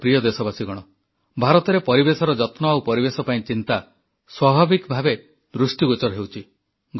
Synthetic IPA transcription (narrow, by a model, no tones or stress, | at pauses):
pɾijɔd̪esɔbasiɡɔɽ̃ɔ | bʱaɾɔt̪ɔɾepɔɾibesɔɾɔd͡ʒɔt̪nɔawpɔɾibesɔpaĩt͡ʃint̪a | swabʱabikbʱabe | d̪ɾusʈiɡot͡ʃɔɾɔɦewt͡ʃʰi | ɡ